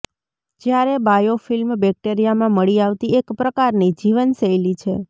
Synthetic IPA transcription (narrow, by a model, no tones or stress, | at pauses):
d͡ʒjaɾebajofilmbɛk̚ʈeɾijamãməɭiaʋt̪iekpɾəkaɾnid͡ʒiʋənsəjlit͡ʃʰe